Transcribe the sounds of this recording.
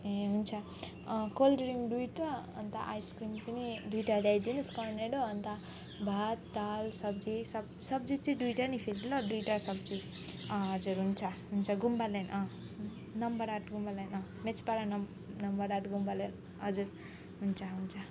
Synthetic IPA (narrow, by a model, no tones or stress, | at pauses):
ẽɦunt͡sʰʌ | kolɖɾiŋɖujʈʌʌ̰nt̪a̰ʔa̰jskrimpʌnidujʈad̪ajd̪inuskʌɾneɽoʌnt̪a | bʱat̪ːalsʌb̚d͡zisʌbsʌbd͡zit͡sĩdujʈanipʰeɾd̪ilaɖujʈasʌb̚d͡zi | ɦʌd͡zuɾɦunt͡sʰʌɦunt͡sʰʌɡumbalajnʔʌ̃ | nʌmbʌɾaʈɡumbalajnʌmet͡spaɾan | nʌmbʌɾaʈɡumbalan | ɦʌd͡zuɾ | ɦunt͡sʰʌɦunt͡sʰʌ